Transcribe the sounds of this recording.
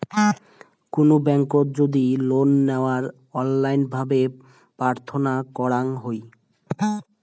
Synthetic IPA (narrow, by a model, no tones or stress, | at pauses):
konobɛŋkoɾd͡ʑod̪ilonːeoaɾ | ɔnlajnbʱabe | pɾaɾt̪ʰonakɔɽaŋɦoj